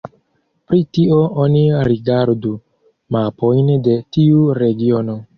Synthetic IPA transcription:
pɾitio̞ʔoniɾiɡaɾdu | mapo̞jnde̞tiuɾe̞ɡio̞no̞

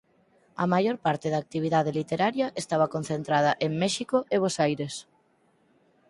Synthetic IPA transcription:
ɐmajoɾpaɾt̪eðaːk̚t̪iβ̞iðaðelit̪eɾaɾjɐʔest̪aβɐkon̟θent̪ɾaðɐʔeŋmɛʃikoʔeβosajɾes

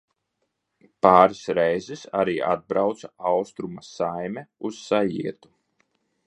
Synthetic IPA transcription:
paːɾisɾɛjzisaɾiːʔad̪̚bɾawt̪saawst̪ɾumasajmʲɛusːajḭɛt̪u̥

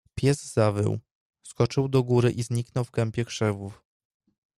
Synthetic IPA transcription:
pʲjɛzzavɘ̰w | skɔt͡ʂɘwd̪ɔɡuɾɘʔizɲiknɔwvɡɛmpʲjɛkʂɛvuf

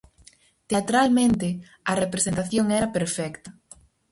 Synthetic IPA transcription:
t̪eat̪ɾalmẽnt̪ɪ | ɐrepɾesent̪aθjoŋɛɾɐpeɾfɛkt̪ɐ

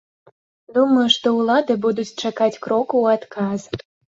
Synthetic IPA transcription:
d̪umɐjuʂt̪ɔulˠad̪ɨbud̪ut͡sʲt͡ʂakat͡sʲkɾɔkuːat̪kʰaz

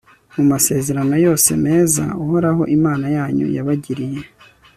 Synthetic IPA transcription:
mumase̞ːze̞ɾano̞jo̞ːse̞̰me̞ːza̰uho̞ɾaɦo̞̰ʔimaːnajaːɲṵja̰βaɟiɾije

